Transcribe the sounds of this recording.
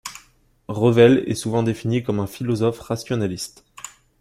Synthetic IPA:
ʁəvɛlɛ̰suvɑ̃d̪efinikɔmɛ̃filɔzɔfʁasjɔnalist̪

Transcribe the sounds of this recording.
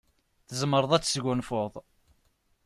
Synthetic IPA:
θəzˤmːəɾˤəðˤæt͡sːsɡʊnfʊðˤ

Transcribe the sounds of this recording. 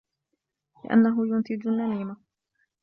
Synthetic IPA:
lɪ̰ʔa̰nːaɦʊjʊnt̪ɪd͡ʒalnːaniːma

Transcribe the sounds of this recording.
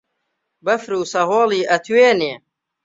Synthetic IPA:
bɐfɾuːsɐɦoːliːʔɐt̪ʰweːneː

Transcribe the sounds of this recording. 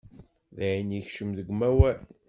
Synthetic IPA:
ðæʕinjiçʃəmðəɡʷmæwæl

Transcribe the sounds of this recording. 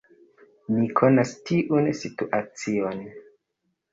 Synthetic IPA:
nikʰo̞nastiʔunsituʔat͡sion

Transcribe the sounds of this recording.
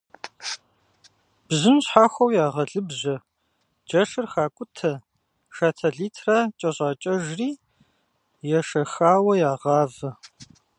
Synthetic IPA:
b̥zɨmɕħaːxʷɐwjaːʁɐɮɨbʑɐ | d͡ʒɐʂɨrxaːkʷʼʊtʰɐ | ʂaːtʰɐɮiːtʰrɐt͡ʃʼɐɕʼaːt͡ʃʼɐʒriː | jɛʂɐxaːwɐjaːʁɑːvɐ

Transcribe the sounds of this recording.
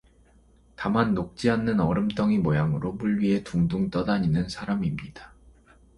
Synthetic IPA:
tamanːok̚t͡ɕ͈ianːɯnʌɾɯmt͈ʌŋimojaŋɯɾopuɭːɥie̞tuŋduŋt͈ʌdaɲinɯnsʰaɾamimɲid̥ḁ

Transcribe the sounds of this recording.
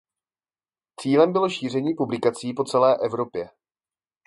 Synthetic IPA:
t͡siːlɛmbɪlo̞ʃiːr̝ɛɲiːpublɪkat͡siːpo̞t͡sɛlɛːʔɛvɾo̞pjɛ

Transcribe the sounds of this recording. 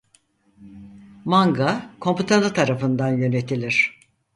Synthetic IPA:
maŋɡakʰo̞mput̪ʰanɯt̪ʰaɾafɯnd̪anjø̞ne̞t̪ʰilʲiɾ̝̥

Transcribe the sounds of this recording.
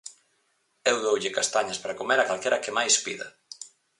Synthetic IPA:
ewðowʎɪkast̪aɲɐspaɾakomeɾakalkeɾɐkemajspḭðɐ̰

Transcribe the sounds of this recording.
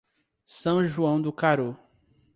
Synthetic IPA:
sɐ̃w̃ʒuɐ̃w̃d̪ʊkaɾo

